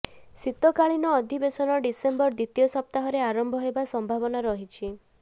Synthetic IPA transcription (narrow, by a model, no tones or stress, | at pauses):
sit̪ɔkaɭinɔːd̪ʱibesɔnɔɖisembɔɾd̪it̪ijɔsɔp̚t̪aɦɔɾeaɾɔmbʱɔɦebasɔmbʱaβɔnaɾɔɦit͡ʃʰi